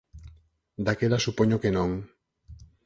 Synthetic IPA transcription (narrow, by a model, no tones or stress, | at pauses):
d̪akelasupoɲokenõŋ